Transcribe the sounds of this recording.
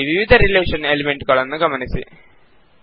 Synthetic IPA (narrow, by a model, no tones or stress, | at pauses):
ʋiʋid̪ʱɐɾileːʂɐnelimeɳɖɨkɐɭɐnːɨɡɐmɐnɐsɨ̰